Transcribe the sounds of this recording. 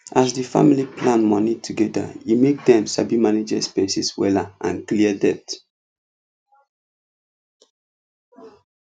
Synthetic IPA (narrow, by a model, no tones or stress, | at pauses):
ʔasdifa̰miliplãnmɔnitʰuɡɛda̰imek̚dɛ̃msabimaned͡ʒɛspɛsiswɛlaʔãnkliədɛt